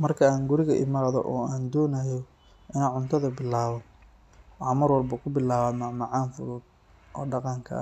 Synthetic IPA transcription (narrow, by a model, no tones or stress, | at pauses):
mɐrkʰɐaːŋɡʊɾɪɣɐʔɪ̰maːɾðɔ̰ʔɔːaːnd̪ɔːnɐjɔ | ʔɪnaʕʊnt̪ʰɐðɐbɪlːaːβɐ | wɑmɐrwɑlbɐkʰʊbɪlaːβaːmɐʕmɑʕɑːnfʊðuːd̪ | ʔɔ̰ːɖɑqɑŋkʰɐ̰